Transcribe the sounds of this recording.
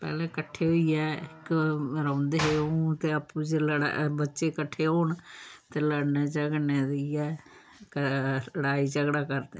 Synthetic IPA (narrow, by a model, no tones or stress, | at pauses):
pɛ̰ːlɛ̃ːkəʈʰːeːɦoːiɛːɪkɾãːnd̪eɦeːõt̪eːəpũːd͡ʒl̰bətːʃeːkəʈʰːeːɦoːɳt̪eːləɽneːd͡ʒəɡneːɾiɛː | kələɽaːiːd͡ʒəɡɽaːkəɾd̪e